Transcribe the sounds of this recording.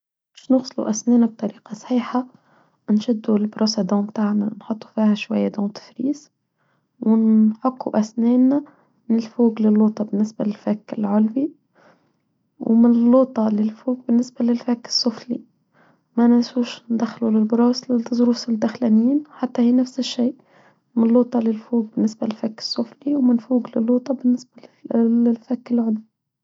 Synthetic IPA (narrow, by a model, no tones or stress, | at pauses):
mɪʃnʊɣsˤlṵʔæsnɛːnab̚t̪ˤɑɾiːqɑsˤħiːħa | nʃɪd̪ːulbɾɑːsad̪ɑ̃ːbt̪aːʕnanħʊt̪ˤːu̥fiːhaʃwajːad̪oːnt̪ɪ̥fɾiːs | wɪnħɑqːuʔæsnɛːna | mnɪlfuːɡlɪlːoːt̪ˤɑbɪnːɪsbalɪlfæːkːɪlʕʊlbi | wmɪnɪlːoːt̪ˤɑlɪlfuːɡ̚bɪnːɪsbalɪlfakːɪ̥sˤːʊflḭ | manaʔsuːʃnd̪axːlulɪlbɾˤɑːslɪd̪zɾuːsɪld̪axlaniːnħat̪ːahiːnafsɪʃːeːʔ | mɪnlːoːt̪ˤɑlɪlfuːɡ̚bɪnːɪsbalɪlfakːɪ̥sˤːʊfliwmɪnfuːɡlɪlːoːt̪ˤɑbɪnːɪsbaɪlfakːɪlʕʊlbi